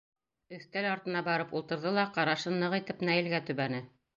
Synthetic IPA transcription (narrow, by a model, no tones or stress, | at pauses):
ɵ̆θt̪ælɑɾt̪ɤ̆nɑbɑɾɤpulˠt̪ɤ̆ɾðɤlˠɑqɑɾɑʃɤnːɤʁit̪ɘpnæjɘ̆lɡæt̪ʉβænɘ